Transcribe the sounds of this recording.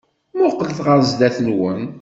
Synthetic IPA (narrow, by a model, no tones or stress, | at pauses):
mʊqːəlθʁəɾzd̪æθəlwən